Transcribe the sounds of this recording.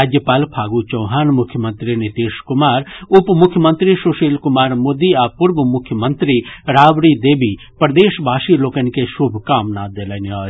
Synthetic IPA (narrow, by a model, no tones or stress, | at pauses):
aːd͡ʒjəpaːlpʰaːɡut͡ʃɔ̃ːɦaːnmʊkʰjəmə̃nt̪ɾinɪt̪iːʃkʊmaːɾʊpmʊkʰjəmənt̪ɾiʃʊʃiːlkʊmaːɾmoːd̪iaːpʊɾʋəmʊkʰjəmənt̪ɾiɾaːʋɾid̪eːbi | pɾd̪eːʃbʱaːʃiloːkənkeʃʊbʱkaːmnaːd̪eːlənaː